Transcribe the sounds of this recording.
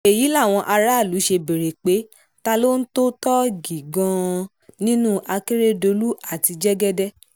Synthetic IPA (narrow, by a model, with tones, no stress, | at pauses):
e˨ji˨˦la˦˨w̃ɔ̃˧ʔa˧ɾa˦˨lu˨˦ʃe˧be˨ɾe˨k͡pe˨˦ | ta˧lo˦n̩˦to˦tɔ˦ɡi˨ɡã˧ | nĩ˦nũ˦ʔa˧ke˦ɾe˦do˧lu˦a˦˨ti˧d͡ʒɛ˦ɡɛ˦dɛ˦